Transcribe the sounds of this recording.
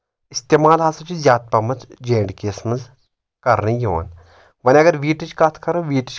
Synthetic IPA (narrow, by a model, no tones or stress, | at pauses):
ist̪eːmaːlɦasɐt͡ʃʰizʲaːt̪̚pɐmɐt͡sd͡ʒeːɳɖkeːsmɐz | kɐɾnijo̰ːn | ʋɐniɐɡɐɾʋiːʈit͡ʃkɐt̪ʰkɐɾoʋiːʈit͡ʃ